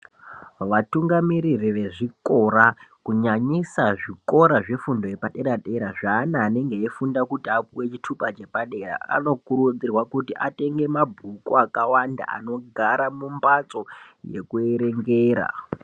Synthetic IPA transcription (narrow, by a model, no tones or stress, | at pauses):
ʋatuŋɡamiɾiriʋe̞ʐiko̞ɾakuɲaɲisaʐiko̞ɾaʐe̞fundojepaɗe̞ɾaɗe̞ɾaʐaːnaːne̞ŋɡeefundakutapuwe̞t͡ʃitʰupat͡ʃe̞paɗe̞ra̰a̰no̞kuɾud͡zirwakutiʔate̞ŋɡe̞mabʱukuakawanda̰a̰no̞ɡʱaɾamumbat͡so̞je̞̰kue̞ɾe̞ŋɡeːɾa̰